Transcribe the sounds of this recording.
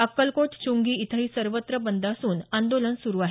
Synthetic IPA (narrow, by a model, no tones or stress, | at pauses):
əkːəlkoʈt͡ɕuŋɡiːit̪ʰəɦiːsəɾʋət̪ɾəbənd̪ʱasuːnand̪olənsuɾuːaɦe